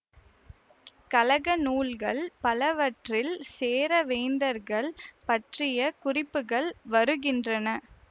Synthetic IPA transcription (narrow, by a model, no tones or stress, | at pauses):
kɐlɐɣɐnuːlɣɐɭpɐlɐʋɐʈrɪlseːɾɐʋeːnd̪ɐɾɣɐɭpɐʈrɪjɐkʊrɪpːɯɣɐɭʋɐɾɯɣɪndrɐnɐ